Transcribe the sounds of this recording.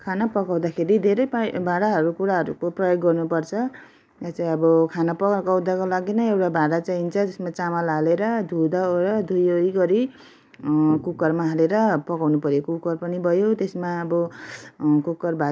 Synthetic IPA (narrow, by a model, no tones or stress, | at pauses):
kʰanapʌkaw̃d̪akʰeɾid̪ʱeɾʌjpabʱaɽaɦʌɾukuɾaɦʌɾukoprʌjoɡːʌrnupʌrt͡sʰʌ | jat͡saĩʌbʌkʰanapʌkkawd̪ʱakolaɡinʌewʈabʱaɽat͡saint͡sʰʌd͡zʌsmat͡samalaleɾʌd̪ʱud̪aɾʌd̪ʱujojɡʌɾi | kukʌrmaɦaleɾʌpʌkawnupʌɾjokukʌrpʌnibʱʌjot̪esmaʌbʌ | kukːʌrbʱa